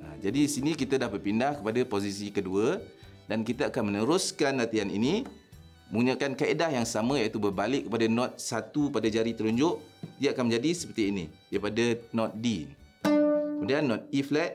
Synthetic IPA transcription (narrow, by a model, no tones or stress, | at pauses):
a̰d͡ʒadidisinĩkit̪adahbər̚pindahkəpadapos̬is̬ikəduə | dankit̪aakanmənəɾʊskanlat̪ianḭni | məŋuɲakankaedahjaŋsamə̃jat̪ubərbalɪkːəpadanɔ̃t̪̚sat̪upadad͡ʒaɾit̪əɾuɲd͡ʒʊʔdijəakanməɲd͡ʒadisə̥pərt̪iinidaipadanɔt̪̚di | kəmudianːɔt̪̚iflɛt̪̚